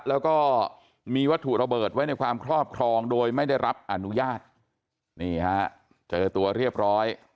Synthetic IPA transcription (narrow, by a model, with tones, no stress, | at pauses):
lɛː˦˥wkɔː˥˩ | miː˧wa˦˥t̪ʰːu˨˩ɾa˧bɤː˨˩t̪̚wa˦˥jna˧jkʰwaː˧mkʰɾɔː˥˩p̚kʰɾɔː˧ŋdoː˧jma˥˩jda˥˩jɾa˦˥p̚ʔa˧nu˦˥jaː˥˩t̪̚ | niː˥˩ha˦˥ʔ | t͡ɕɤː˧t̪u˧ɐɾi˥˩əp̚ɾɔː˦˥j